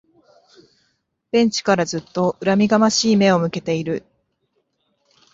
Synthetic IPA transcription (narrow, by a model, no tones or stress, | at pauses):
b̥ẽ̞ɲ̟t͡ɕi̥kaɾazɨt̪ːo̞ʔɯ̟ɾamʲiɡamaɕiːme̞o̞mɯ̟ke̞t̪e̞iɾɯ̟